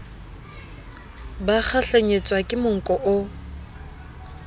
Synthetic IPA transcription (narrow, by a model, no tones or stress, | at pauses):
bak͡xʰaɬeɲet͡sʼwakʼɪmʊŋ̩kʼɔʔʊ